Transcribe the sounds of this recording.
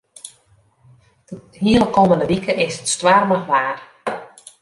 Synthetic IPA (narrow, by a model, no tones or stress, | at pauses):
hiəlˠəkoːməndəʋikəʔɪsətstwarməχʋaːr